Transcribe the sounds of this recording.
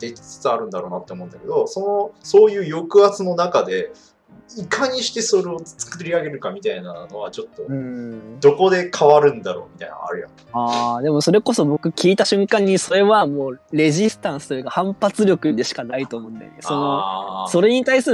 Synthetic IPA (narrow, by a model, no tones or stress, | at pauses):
d̪̥ekʲi̥t͡sɨ̥t͡sɨaɾɯ̟̃nd̪aɾo̞ːnat̪ːe̞omo̞ɯ̃nd̪ake̞d̪o̞so̞no̞so̞ːjɯ̟ːjo̞kɯ̟at͡sɨno̞nakad̪e̞ | ikaɲ̟iɕi̥t̪e̞so̞ɾe̞ot͡sɨ̥kɯɾʲiaɡe̞ɾɯ̟kamʲit̪ainano̞βat͡ɕo̞t̪ːo̞ɯ̟̃d̪o̞ko̞d̪e̞kʰaβaɾɯ̟̃nd̪aɾo̞̰ːmʲit̪a̰ina̰a̰ɾɯ̟ja̰ | aːd̪e̞mo̞so̞ɾe̞ko̞so̞bo̞kɯ̟kʲiːt̪aɕɨ̃ŋkãɲ̟ːiso̞ɾe̞βamo̞ːɾe̞ʑisɨ̥t̪ãɰ̃sɨ̥ojɯ̟kahãmpat͡sɨɾʲo̞kɯ̟d̪e̞ɕi̥kanait̪o̞ːmo̞ɯ̃nd̪a̰kso̞no̞so̞ɾe̞ɲ̟it̪aisɨɾ